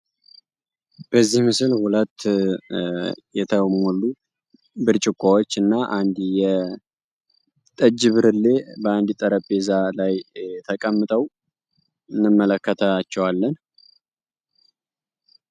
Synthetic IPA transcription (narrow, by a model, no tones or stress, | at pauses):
b̥əzːihmɨsɨlhulət̪ː | jɛt̪ʰəmɔlːu | bɨɾt͡ʃʼɪkʷʼːawot͡ʃːɨnːaʔand̪jɛ | t̪ʼəd͡ʒɨβɨɾɨlːe̞bəand̪t̪ʼəɾəbezalajt̪ʰəkʼəmːɨt̪ʼəw | ɨnːɨmːələkːət̪ʰaat͡ʃːɛwalːən